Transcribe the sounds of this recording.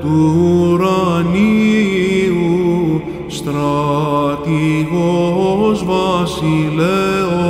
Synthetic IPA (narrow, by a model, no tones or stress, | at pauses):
t̪uuɾɐni | u | st̪ɾɐt̪iɣozvɐsileo